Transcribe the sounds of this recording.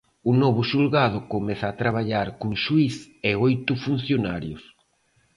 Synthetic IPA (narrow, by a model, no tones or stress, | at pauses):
ʊnɔβʊʃulɣað̞ʊkomɛθaːt̪ɾaβ̞aʎaɾkoŋʃuis | eojt̪ʊfun̟θjonaɾjʊs